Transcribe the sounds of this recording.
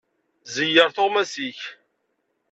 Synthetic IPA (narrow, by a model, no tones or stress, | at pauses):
zəjːəɾθoʁmæsiç